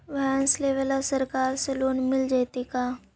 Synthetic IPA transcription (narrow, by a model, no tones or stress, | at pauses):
ʋɛːnsleːʋəlasəɾkaːɾseloːnmɪld͡ʒaːt̪ikaː